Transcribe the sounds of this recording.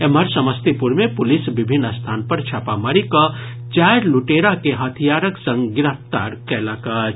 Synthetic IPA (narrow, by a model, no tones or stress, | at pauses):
eməɾsəməst̪ipuɾmẽpulisbibʱinːəst̪ʰaːnpəɾt͡ʃʰapamaɾikə | t͡ʃajɾluʈeɾakeɦət̪ʰijaɾəksə̃ŋɡɡɪɾəft̪a̰ɾkɛləkat͡ʃ